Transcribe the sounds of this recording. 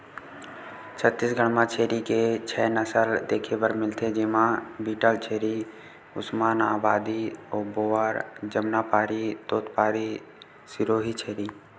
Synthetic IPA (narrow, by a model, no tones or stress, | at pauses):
t͡ʃʰət̪ːiːsɡʱəɽ̃mãt͡ʃʰeːɾiket͡ʃʰɛːnəsəld̪eːkʰepəɾmɪlt̪ʰed͡ʒɪmãbiːʈəlt͡ʃʰeːɾi | ʊsmaːnaːbaːd̪iɔːboːaːɾd͡ʒəmnapaːɾit̪oːt̪paːɾi | sɪɾoːɦit͡ʃʰeːɾiː